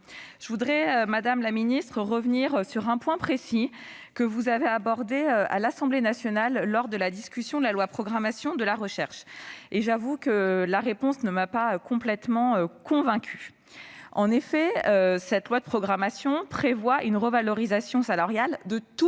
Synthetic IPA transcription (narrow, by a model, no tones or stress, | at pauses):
ʒ̥əvud̪ʁɛømad̪amlaminist̪χəʁəvniʁsyʁɛ̃pwɛ̃pχesi | kəvuzaveabɔʁd̪eøa̰lasɑ̃blenasjɔnalːɔʁd̪əlad̪iskʲysjɔ̃d̪əlalwapχɔɡʁamasjɔ̃d̪əlaʁəʃɛʁʃeʒavukəlaʁepɔ̃snəmapaøkɔ̃plɛt̪mɑ̃økɔ̃vɛ̃kʲy | ɑ̃nefɛøsɛt̪lwad̪əpχɔɡʁamasjɔ̃pχevwaʔynʁəvalɔʁizasjɔ̃salaʁjald̪ət̪u